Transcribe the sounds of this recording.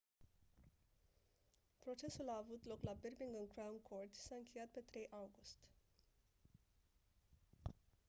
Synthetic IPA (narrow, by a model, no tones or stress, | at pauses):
pɾo̞t͡ʃe̞sulaːvut̪lo̞klaberbiŋɡɨnkɾawumkʰo̞rt̪ʲsaɨŋkʲe̞jat̪̚pe̞t̪ɾe̞jʔawɡust̪ʲ